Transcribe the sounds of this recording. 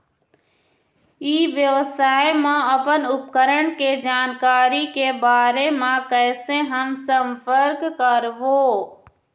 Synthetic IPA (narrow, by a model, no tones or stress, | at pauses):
iːʋjəʋəsaːjmãəpənʊpkəɾəɽ̃ked͡ʒaːnkaːɾikebaːɾemãkɛːseɦəmsəmpʰəɾkːəɾʋoː